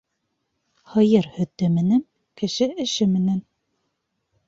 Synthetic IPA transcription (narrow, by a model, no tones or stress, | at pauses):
hɤ̆jɤɾhɵ̆t̪ːɘ̆mɘ̆næŋ | kɘ̆ʃɘɘ̆ʃɘmɘ̆næn